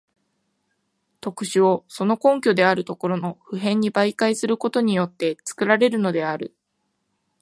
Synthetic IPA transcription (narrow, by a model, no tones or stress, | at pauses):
t̪o̞kɯ̟̥ɕɨo̞so̞no̞kõ̞ŋkʲo̞d̪e̞aɾɯ̟t̪o̞ko̞ɾo̞no̞ɸɯ̟ɦẽ̞ɲ̟ːibaikaisɨɾɯ̟ko̞t̪o̞ɲ̟ijo̞t̪ːe̞t͡sɨ̥kɯ̟ɾaɾe̞ɾɯ̟no̞d̪e̞aɾɯ̟